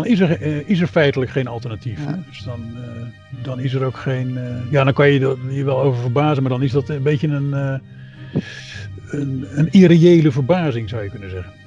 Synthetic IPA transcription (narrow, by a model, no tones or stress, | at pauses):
dɔnɪsəɹɪsəɹfɛjtələkχejnɑlˠtərnatifdəsdɔn | dɔnɪsəɾowkχejnjaːdɔnkɑnjədiːəɹʋɛlˠowvəɹvəɹbaːzənmaːɹdɑnɪzdɑtənbejtənən | ənənirejejləvəɹbaːzɪŋzawjəkɵnənzɛɣən